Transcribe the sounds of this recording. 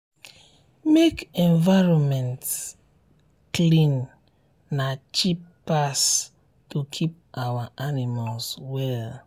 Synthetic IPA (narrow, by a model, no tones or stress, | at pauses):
mekɛ̃ɱvaɹɔ̃nmɛ̃nt | klĩnː | at͡ʃipː | as | tukʰip̚awaʔanimalswɛl